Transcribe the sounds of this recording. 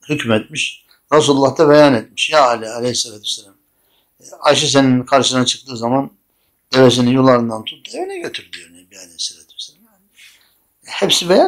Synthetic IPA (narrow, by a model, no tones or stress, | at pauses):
hycʰmɛt̪miʃ | ɾas̬ululˠːaht̪ʰaβejanet̪̚mi̥ʃjaalʲialʲehisalaːt̪ʰysːelʲam | aʃɯs̬e̞ninkʰaɾʃɯnat͡ʃʰɯ̥k̚t̪ɯːzaman | d̪̥e̞ves̬ininjolˠːaɾɯnd̪ant̪ʰut̪̚d̪ˠuevinɛɟøt̪ʰyɾd̪ʲyjoɾnɛbialʲehiselat̪ʰy̥selamjaːnɪ | hepsibeja